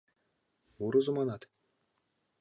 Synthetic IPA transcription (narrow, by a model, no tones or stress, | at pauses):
uɾuzumɑnɑt̪